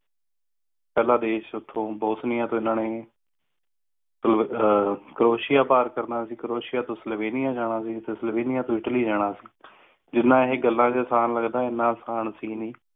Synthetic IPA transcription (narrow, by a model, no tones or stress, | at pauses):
pɛːlãːd̪eːʃʊt̪ʰːõːbɔːsnɪjãːt̪õːɪnãːneː | sl | kəɾoːʃɪjaːpaːɾkəɾnaːsiːkəɾoːʃɪjaːt̪õːsəlʋeːnɪjaːd͡ʒaːɽaːsiːət̪eːsəlʋeːnɪjaːt̪õːɪʈliːd͡ʒaːɽaːsiː | d͡ʒɪnːãːɦeːɡəlːãːd͡ʒaːsaːnləɡd̪aːɪnːãːsaːnsiːniː